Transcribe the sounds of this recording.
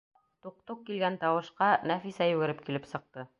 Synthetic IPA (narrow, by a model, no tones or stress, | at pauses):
t̪uq̚t̪oq̚kilɡænt̪ɑwɤ̆ʃqɑnæfisæjʉɡɘ̆ɾɘp̚kilɘpsɤ̆q̚t̪ɤ